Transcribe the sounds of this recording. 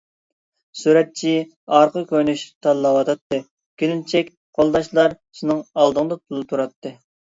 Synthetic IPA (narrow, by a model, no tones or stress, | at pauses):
suɾɛt̪̚t͡ʃʰi | ɑɾqʰəkʲønyʃt̪ʰɑnlːˠɑwɑt̪ʰɑt̪ːɨ | kʲelɪnt͡ʃʰɛkʲ | qʰolˠd̪ɑʃlˠɑɾ | ʃinɨŋɑlˠd̪əŋd̪ɑp̪ʰulˠɨt̪ʰuɾɑt̪ʰːɨ